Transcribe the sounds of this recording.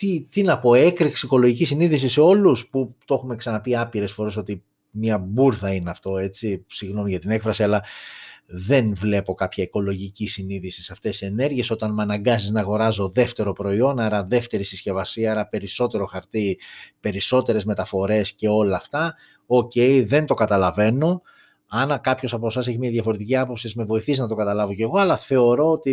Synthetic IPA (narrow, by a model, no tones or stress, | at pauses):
t̪it̪inɐpo̞e̞kɾiksiiko̞loʝicisiniðisise̞o̞lusput̪o̞xume̞ksɐnɐpiɐpiɾe̞sfo̞ɾe̞s̬o̞t̪i | mɲɐbuɾθɐineɐft̪o̞e̞t͡sisiɣno̞miʝɐt̪ine̞kfɾɐsiɐlɐ | ðe̞nvle̞po̞kɐpçɐiko̞lo̞ʝicisiniðisisɐft̪e̞sie̞ne̞ɾʝieso̞t̪ɐnmɐnɐŋɡɐziznɐɣo̞ɾɐzo̞ðe̞ft̪e̞ɾo̞pɾo̞io̞nɐɾɐðe̞ft̪e̞ɾisisce̞vɐsiɐɾɐpe̞ɾiso̞t̪e̞ɾo̞xɐɾt̪ipe̞ɾiso̞t̪e̞ɾe̞zme̞t̪ɐfo̞ɾe̞sce̞o̞lɐːft̪ɐ | oce̞iðe̞nt̪o̞kɐt̪ɐlɐve̞no̞ | ɐnɐkɐpço̞sɐposɐseçimiɐðʝɐfo̞ɾe̞t̪iciɐpo̞psizme̞vo̞iθisiznɐt̪o̞kɐt̪ɐlɐvo̞ce̞ɣo̞ɐlɐθe̞o̞ɾo̞ot̪i